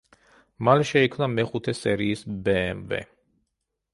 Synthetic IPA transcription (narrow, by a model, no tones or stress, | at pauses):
malɛʃɛikʰmnamɛχut̪ʰɛsɛɾiːsbɛːmvɛ̰